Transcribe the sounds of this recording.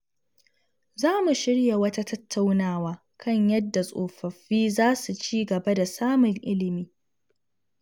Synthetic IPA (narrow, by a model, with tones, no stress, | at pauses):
zaː˦mu˨ʃɪ˦ɽja˨wɐ˦ta˦tɐ˦tʰːa˦wnaː˦˨waː˦ | kʰɐ˦ɲjɐ˦dːa˨sʼoː˨ɸɐ˨ɸːiː˦zaː˦su˨t͡ʃiː˦ɡɐ˨ba˦da˨saː˦mʊ˨ŋʔɪ˦lɪ˨miː˦